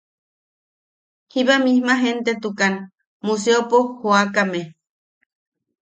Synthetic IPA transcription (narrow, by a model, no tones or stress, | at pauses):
hiβamihmaɦent̪et̪ukan | museopohoakame